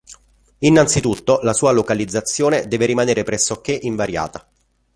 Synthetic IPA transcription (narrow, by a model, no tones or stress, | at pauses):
inːant̪sit̪ut̪ːolasuːalokalid̪zːat̪sːjoːned̪ɛːveɾimaneːɾepɾɛsːok̟ːeʔiɱvaɾja̰ːt̪a